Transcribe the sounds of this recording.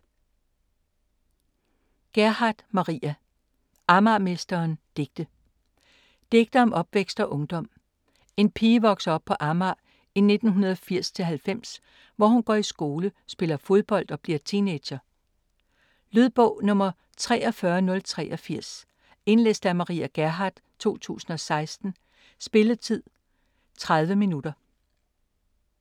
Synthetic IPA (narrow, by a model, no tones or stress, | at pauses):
ɡ̥æɐhɑ̈d̥mɑ̈ʁiæ | ʔɑ̈mɑ̈mesd̥ɐːnd̥e̝ɡ̥d̥ə | d̥e̝ɡ̥̚d̥ɐɒmʔɒ̽b̥ʋeɡ̥sd̥ɒ̽ʔɔ̽ŋd̥ɒ̽m̰ | e̝npʰiːʋɒ̽ɡ̥sɐɒ̽b̥̚pʰɒ̽ʔɑ̈mɑ̈ː | ine̝d̥n̩ɦunɐð̞ˠfiɐ̰st͡sʰe̝lɦælfem̰s | ʋɒhunɡ̥ɒ̰isɡ̥o̝ːləsb̥e̝lɐfo̝ð̞ˠb̥ɒ̽l̰d̥ɒ̽b̥liɐt͡sʰine̥ɕɐ | lyðˠb̥ɔʊ̰nɔ̽mɐ | t͡sʰʁɛ̰ːʔɒ̽fɶɐnɔ̽lt͡sʰʁɛ̰ːʔɒfiɐ̰s | e̝nlesd̥æɐmɑ̈ʁḭːæɡ̥æɐɦɑ̈d̥ | t͡sʰo̝̰ːt͡sʰṵːsn̩ɒ̽sɑ̈ɪsd̥n̩ | sb̥e̝lət͡sʰið̰ˠ | t͡sʰʁaðˠʋəminud̥ɐ